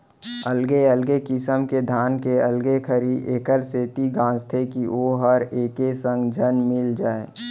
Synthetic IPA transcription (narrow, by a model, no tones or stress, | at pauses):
əlɡeəlɡekɪsəmked̪ʱaːnkeəlɡekʰəɾieːkəɾseːt̪iɡãːst̪ʰekioːɦəɾeːkesə̃ŋɡd͡ʒʱənmɪld͡ʒaːeː